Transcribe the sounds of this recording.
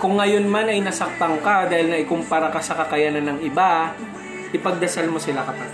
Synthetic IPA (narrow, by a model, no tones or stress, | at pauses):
kʊŋːɐjo̞nmanɐjnɐsɐk̚t̪ɐŋkad̪aːhɪlnɐʔɪkʊmpaɾakɐsɐkɐkɐjanɐnɐŋɪba | ʔɪpɐɡ̚d̪ɐsalmosɪlakɐt̪ɐ